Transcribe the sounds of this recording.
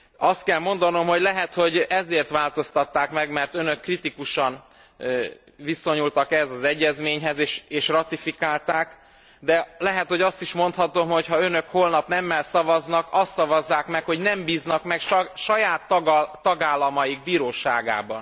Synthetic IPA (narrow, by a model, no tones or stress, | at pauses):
ɒst̪̚kɛlmo̞n̪d̪ɒno̞mho̞ɟlɛɦɛt̪ho̞ɟɛzeːrt̪ʋaːlt̪o̞st̪ɒt̪ːaːkmɛɡmɛrt̪ønøkːrit̪ikuʃɒn | viso̞ɲult̪ɒkɛzɒzɛɟːɛzmeːɲɦɛzeːʃeːʃrɒt̪ifikaːlt̪aːk | d̪ɛlɛɦɛt̪ho̞ɟɒst̪iʃmo̞nt̪hɒt̪o̞mho̞chɒø̞nø̞kho̞lnɒpnɛmːɛlsɒvɒznɒkɒst̪sːɒvɒzːaːkmɛkho̞ɟnɛmbiːznɒkmɛkʃʃɒjaːt̪ːɡːɒɡaːlːɒmɒjiɡ̚biːɾoːʃa̰ːɡa̰ːbɒn